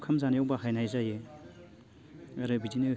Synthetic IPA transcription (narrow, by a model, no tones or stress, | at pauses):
kʰamzanijawbahajnajzaje | ɐɾɯbidinɯ